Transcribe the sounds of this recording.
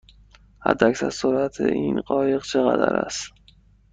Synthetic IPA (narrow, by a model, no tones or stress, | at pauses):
hæ̰d̪ːæcsæɾsoɾæt̪ʰḛʔinɢɒːje̞ɣt͡ʃʰeɣæd̪æɾæ̰st̪